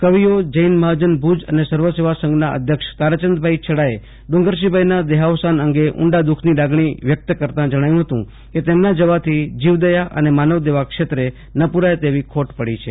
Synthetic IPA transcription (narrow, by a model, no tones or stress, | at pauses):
kəʋijod͡ʒəinməɦad͡ʒənbʱud͡ʒə̰nesəɾʋəseʋasə̃ŋɡnaə̰d̪ʱjəkʃt̪aɾət͡ʃənd̪bʱait͡ʃʰəɽae | ɖ̪ũŋɡəɾʃ̬ibʱainad̪eɦaʋsanəŋɡeʔṵɳɖad̪ukʰnilaɡɳ̃iʋjək̚t̪kəɾt̪ãd͡ʒəɽ̃ajũɦət̪ũ | ket̪emnad͡ʒəʋat̪ʰid͡ʒiʋd̪əjaʔə̰nemanəʋd̪eʋakʃet̪ɾe | nəpuɾaet̪eʋikʰoʈpəɽit͡ʃʰe